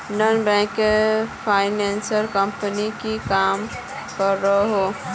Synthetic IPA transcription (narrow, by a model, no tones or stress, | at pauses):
nənbɛ̃kepʰaːɪneːnsəɾkəmpənikikaːm | kəɾːəɦɦo